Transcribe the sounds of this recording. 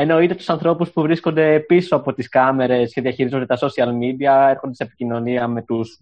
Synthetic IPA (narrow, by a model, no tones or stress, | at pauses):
e̞no̞it̪e̞t̪u̥sɐnθɾo̞puspuvɾisko̞nd̪e̞piso̞ɐpo̞t̪iskɐme̞ɾe̞sce̞ðiɐçiɾizond̪et̪ɐso̞siɐlmid̪iɐeɾxo̞nd̪esepicino̞niɐme̞t̪us